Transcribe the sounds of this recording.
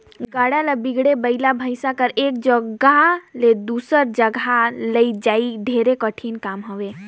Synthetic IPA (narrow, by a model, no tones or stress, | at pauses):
ɡaɽalabiɡɽebəɪlabʱəɪsakəɾek̚d͡ʒəɡɡaled̪usəɾd͡ʒəɡʱaləid͡ʒaiɖʱeɾekəʈʰinkamɦəʋe